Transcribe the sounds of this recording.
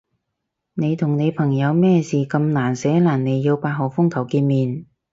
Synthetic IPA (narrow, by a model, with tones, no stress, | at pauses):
ne˨˧jt̪ʰʊ˨˩ŋne˨˧jpʰɐ˨˩ŋjɐ˨˧wmɛː˥siː˨˩kɐ˧mnaː˨˩nsɛː˨˥laː˨˩nne˨˧jːiː˧wpaː˧t̚ɦɔː˨˩fʊ˥ŋkʰɐ˨˩wkiː˧nmiː˨n